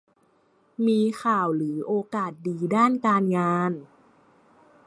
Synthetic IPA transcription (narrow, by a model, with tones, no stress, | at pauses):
miː˧xʰaː˨˩wlɯː˩˦ʔoː˧kaː˨˩t̪̚diː˧daː˥˩nkaː˧nŋaː˧n